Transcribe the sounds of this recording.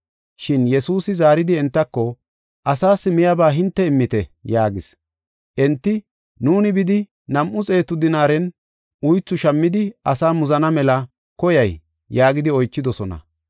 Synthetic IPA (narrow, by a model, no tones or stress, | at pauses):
ʃɪnjɛsuːsɪzaːɾɪd̪ɪɛnt̪ːɐkːɔ | ʔɐsaːsɪmɪjɐbaːɦɪnt̪ːɛɪmːɪt̪ɛjaːɡɪs | ʔɛnt̪ːɪ | nuːnɪbɪd̪ɪ | nɐmʔʊt͡sʼe̞ːt̪ʊd̪ɪnaːɾɛn | ʔʊjt͡sːʊʃɐmːɪd̪ɪɐsaːmʊzɐnɐmɛlɐ | kɔjɐj | jaːɡɪd̪ɪɔjt͡ʃːɪd̪ɔsɔnɐ̰